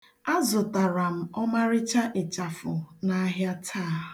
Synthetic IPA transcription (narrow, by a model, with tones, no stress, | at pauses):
a˦zʊ˨ta˨ɾa˨m̩˨ɔ˦ma˦ɾɪ˦t͡ʃa˦ʔe˨t͡ʃa˨fʊ˨na˦ɦja˦tʰaː˦˨